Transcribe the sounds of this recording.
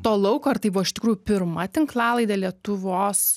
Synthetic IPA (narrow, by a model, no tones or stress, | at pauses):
t̪oːlˠɐʊkoːɐrt̪ɐɪbʊʋɔɪʃʲt̪ɪkɾuːjʊpʲɪɾmɐt̪ʲɪŋklˠɑːlˠɐɪd̪ɐlʲiɛt̪ʊʋoːs